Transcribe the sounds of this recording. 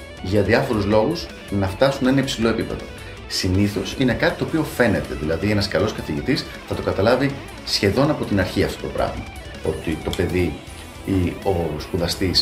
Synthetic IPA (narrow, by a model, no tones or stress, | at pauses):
ʝɐðiɐfo̞ɾuzlo̞ɣuz | nɐft̪ɐsunenɐipsilo̞epipe̞ðo̞̰ | siniθo̞sine̞kɐt̪i̥t̪o̞ːpio̞fe̞ne̞t̪eðilɐðie̞nɐskɐlo̞skɐθiʝit̪is | θɐt̪o̞kɐt̪ɐlɐvi | sçe̞ðo̞nɐpo̞t̪inɐɾçiɐft̪o̞t̪o̞pɾɐ̰ɣmɐ̰ | o̞t̪it̪o̞pe̞ði | io̞skuðɐst̪is